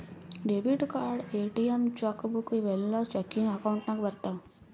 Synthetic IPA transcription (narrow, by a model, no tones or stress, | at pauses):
ɖebiʈkaːɾɖeːʈiemt͡ʃɐkːbukuʋelːoːt͡ʃekːiŋɡɐkɐwuɳʈnaːɡʋɐɾt̪a